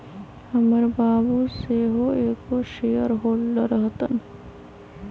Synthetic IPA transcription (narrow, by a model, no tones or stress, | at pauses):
hɐməɾbaːbuseːɦoeːkoʃejəɾɦoːlːɐɾɐɦt̪ɐn